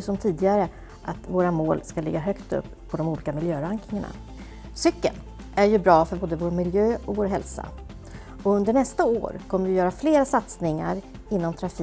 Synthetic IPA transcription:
sɔmt̪ʰiːd̪ɪɡaɾə | ʔat̪voːɾamoːlskalɪɡːaɦœkt̪ɵ̰pːʰɔd̪ɔmuːliːkamɪljøːɾaŋknɪŋaɳa̰ | sʏkːə̰l | ʔæɾjɵbɾɑːfœɾboːd̪əvoːɾmɪljøːɔvoːɾɦɛlsa̰ | ɔɵnd̪əɳɛst̪ao̰ːɾkʰɔmːəvɪjœːɾafleːɾasat̪snɪŋːa̰ɾ | ɪnːɔmt̪ʰɾafi

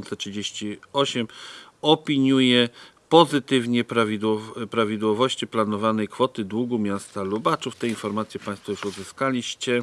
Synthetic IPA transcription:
nt̪sɛtʂɘd͡ʑeɕt͡ɕiɔɕɛmɔpʲiɲujɛpɔzɘt̪ɘvɲɛpɾavʲid̪wɔpɾavʲid̪wɔvɔɕt͡ɕiplanɔvanɛjkfɔt̪ɘd̪wuɡumʲjast̪alubat͡ʂuft̪ɛinfɔɾmat̪sʲjɛpãj̃st̪fɔjuʂɔd̪zɘskalʲiɕt͡ɕɛ

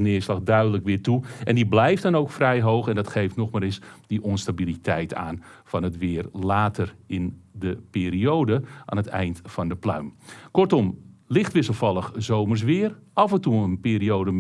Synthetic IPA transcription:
nɪəslɑxdœɥdələkʋɪːtuʔɛndiblɛjftdɔnowkfrɛjɦowxɛndɑtχejftnɔxmaːɾɪsdiʔɔnstabilitʰɛjtʰa̰ːnfɔnətʋɪːərlaːtʰərɪndəpɪːɾiowdəʔa̰ːnətɛ̰jntfɑndəplœ̰ɥmkɔrtɔmlɪxtʋɪsəlˠfɑlˠəxzowmərs̬ʋɪərɑfəntuənpɪːɾiowdə

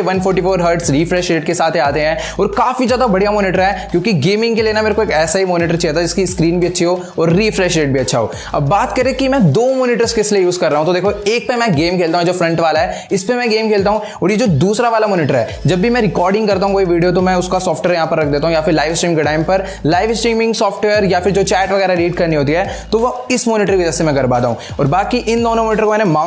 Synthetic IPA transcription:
eʋɐnfʰɔːɾʈifoːɾɦəɾɖsɾiːfɾɛːʃeːʈkesaːt̪ʰiaːt̪eɦɛ̃ː | ɔːɾkaːfizjaːd̪abɐɽ̤ijamoːnɪʈəɾɦɛːkjõːkiɡeːmɪ̃ŋɡkeleːnameːɾekoeːkɛːsaɦimoːnɪʈəɾt͡ʃɛːt̪ad͡ʒɪskiskɾiːnbʱiɐtːʃʰiɦoː | ɔːɾːiːfɾɛːʃeːʈ̚bʱiɐtːʃʰaɦo̰ː | ɐ̰bːaːt̪kɐɾekimɛ̃d̪oːmoːnɪʈəɾskeɪsliejuːzkɐɾːaːɦũt̪od̪eːkʰoeːk̚pemɛ̃ɡeːmkʰeːlt̪aɦũed͡ʒoːfɾɐ̃ɳʈʋaːlaɦɛːɪspemɛ̃ɡeːmkʰeːlt̪aːɦũ | ɔːɾjed͡ʒoːd̪uːsɾaʋaːlamɔːnɪʈəɾɦɛ̰ | d͡ʒɐbːimɛ̃ɾɪkɔːɾɖɪ̃ŋɡkɐɾt̪̬aːɦũkoːiʋiːɖijot̪̬omɛ̃ʊskasɔːfʈʋeəɾjɐɦãːpɐɾɐkʰd̪eːt̪aɦũjafɪɾlaːɪʋɪsʈɾiːmɪ̃ŋkeʈaːɪmpɐɾ | laːɪʋɪsʈɾiːmɪ̃ŋɡsɔːfʈʋeːəɾjafɪɾd͡ʒoːt͡ʃɛːʈʋɐɣɛːɾaɛɾiːɖkɐɾniɦoːt̪̬iɦɛːt̪oʋoɪsmɔːnɪʈəɾkʋɪd͡ʒasemɛ̃ɡɐɾbaːt̪aɦũ | ɔ̰ːɾbaːt̪̚kiʔɪnd̪oːnomɔːnɪʈəɾkomɛːnemaː

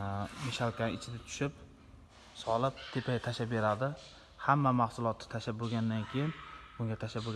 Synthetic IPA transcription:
mɪʃalkʲanɪt͡ʃʰɪd̪at̪ʰʊ̥ʃɪp | sɒlˠɪp̚t̪ʰepʰat̪ʰaʃabe̞ɾad̪ɪ | hamːamahsʊlˠɒt̪ʰːɪ̥t̪ʰaʃaboɡʲand̪ankʲʰejɪnbʊŋɡʲat̪ʰaʃaboɡ

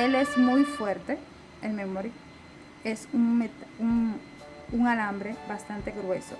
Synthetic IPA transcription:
elezmujfweɾt̪e | elmemoɾi | esuŋmet̪auŋ | uŋalambɾebast̪ant̪eɣɾweso̰

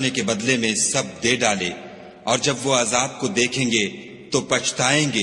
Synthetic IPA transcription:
nekebɐd̪lemẽsɐb̚d̪eːɖaːle | ɔːɾd͡ʒɐbʋoaːzaːd̪̚kod̪eːkʰẽːŋɡe | t̪opɐt͡ʃʰt̪aːẽːɡeː

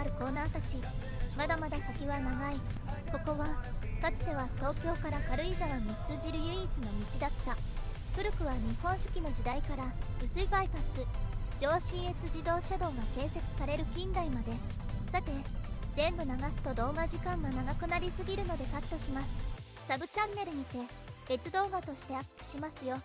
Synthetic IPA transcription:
ɾɯ̟ko̞ːnaːt̪at͡ɕi | mad̪amad̪asakʲiβanaɡaiko̞ko̞βḁkat͡sɨ̥t̪e̞βat̪o̞ːkʲo̞ːkaɾakaɾɯ̟izaɾaɲ̟it͡sɨːʑiɾɯ̟jɯ̟iːt͡sɨno̞mʲit͡ɕid̪at̪ːa | kɯ̟ɾɯ̟kɯ̟βaɲ̟ihõ̞ɰ̃ɕɨ̥kʲino̞ʑid̪aikaɾab̥ɯ̟sɨipaipasɨd͡ʑo̞ːɕĩɰ̃e̞t͡sɨʑid̪o̞ːɕad̪o̞ːɡakẽ̞ːɰ̃se̞t͡sɨ̥saɾe̞ɾɯ̟kʲĩnd̪aimad̪e̞ | sat̪e̞zẽ̞mbɯ̟naɡasɨ̥t̪o̞d̪o̞ːɡaʑikãŋɡanaɡakɯ̟naɾʲisɨɡʲiɾɯ̟no̞d̪e̞kat̪ːo̞ɕimasɨ̥ | saɡɯ̟t͡ɕãnːe̞ɾɯ̟ɲ̟it̪e̞ | e̞t͡sɨd̪o̞ːɡat̪o̞ɕi̥t̪e̞akkʲi̥ɕimasɨjo̞

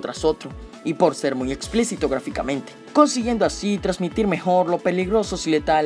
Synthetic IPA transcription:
t̪ɾaso̞t̪ɾo | ipo̞ɾse̞ɾmujeksplisit̪o̞ɣɾafika̰mẽ̞nt̪e̥ko̞nsiɣje̞nd̪oasit̪ɾazmit̪iɾme̞xo̞ɾlo̞pe̞liɣɾo̞so̞silet̪a

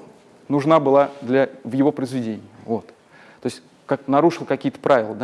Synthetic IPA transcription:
nʊʐnabɨlˠad̪lʲɐvjɪvo̞pɾəɪzvʲɪdʲenʲɪjəvo̞t̪ | t̪ːo̞ɪsʲtʲ | kak̚nɐɾuʂɨlˠkɐkʲijət̪ə̥pɾʔavʲɪlˠəd̪a

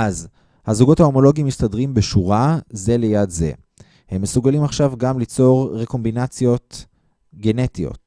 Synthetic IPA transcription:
ʔaz | hazuɡothao̞mo̞lo̞ɡimːistadʁimbeʃuʁaze̞le̞jadze̞̰ | he̞mːesuɡalimaχʃavɡamlit͡so̞ʁʁeko̞mbinat͡sjo̞t̪ | ɡe̞ne̞tijo̞̰t̪̚

